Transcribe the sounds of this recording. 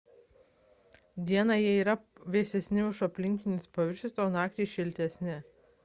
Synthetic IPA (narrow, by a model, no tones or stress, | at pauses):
d̪ʲiɛnɑjiɛiːɾɐʋʲeːsʲɛsʲnʲɪʊʃɐpʲlʲɪŋʲkʲɪnʲɪspɐʋʲɪɾʲʃʲɪsoːnɑːk̚t̪ʲeʃʲɪlʲt̪ʲɛsʲnʲɪ